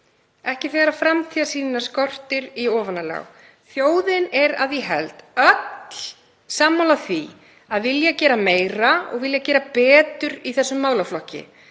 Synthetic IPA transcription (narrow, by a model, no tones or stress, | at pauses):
ɛhcɪθɛːɣaɾafɾamt̪ʰiðasiːnɪnaskɔr̥t̪ɪɾiɔːvanːala̰w | θjoːwðɪnɛɾa̰ðjɛɦɛ̰lt̪œt̪l̥ | saːmːawlaθvi | aðvɪljacɛːɾameːjɾaɔ̰ɣvɪljacɛːɾapɛːt̪ʏɾiθɛsːʏmːaːwlawflɔhcɪ̰